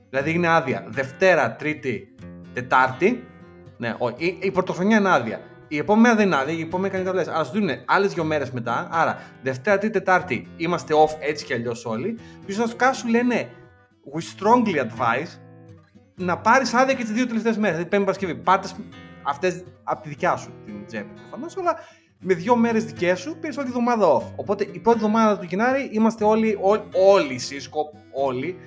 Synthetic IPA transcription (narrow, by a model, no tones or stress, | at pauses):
ðilɐðiineɐðiɐ̰ðe̞ft̪e̞ɾɐt̪ɾit̪it̪e̞t̪ɐɾt̪i | nḛʔoiipɾot̪o̞xɾoɲɐineɐðiɐ̰ | iepo̞memenɐðeinɐðiɐipomemenikɐnikɐt̪olesɐɾɐsuðinuneɐle̞zðʝome̞ɾe̞zme̞t̪ɐɐɾɐ̰ðe̞ft̪e̞ɾɐt̪ɾit̪it̪et̪ɐɾt̪iimɐst̪eo̞fet͡si̥ceɐʎo̞so̞lipisosɐst̪kɐsule̞ne̞ | ɣist̪ɾo̞ŋɡliɐd̪vɐis | nɐpɐɾisɐðjɐcet̪izðiot̪eleft̪e̞zme̞ɾslɐðipenipɐɾɐscevipɐt̪esɐft̪ezɐpot̪iðicɐsut̪ind͡zepɐpɾo̞fɐno̞sɐlɐ | me̞ðʝo̞me̞ɾezðice̞supiɾisot̪iðo̞mɐðɐo̞fo̞po̞t̪e̞ʔipɾot̪ievðomɐððɐt̪uʝinɐɾiʔimɐst̪e̞o̞lioo̞lisiskop̚ | o̞li